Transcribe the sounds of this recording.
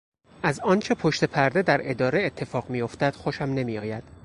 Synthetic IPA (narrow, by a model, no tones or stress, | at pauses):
ʔæzɒːnt͡ʃʰe̞pʰoʃt̪e̞pʰæɾd̪e̞d̪æɾe̞d̪ɒːɾeet̪ʰːe̞fɒːɣmijo̞ft̪æd̪̥xoʃæmne̞miɒːjæd̪̥